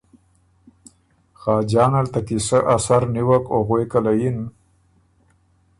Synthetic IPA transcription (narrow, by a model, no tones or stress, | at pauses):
xɑːd͡ʒɑːnalt̪akisəʔasaɾniwakoɣwekalajin